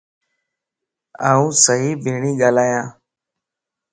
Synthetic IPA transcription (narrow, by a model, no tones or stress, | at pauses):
aːũːsəɦiːbʱeːɳiːɠaːlaːjãː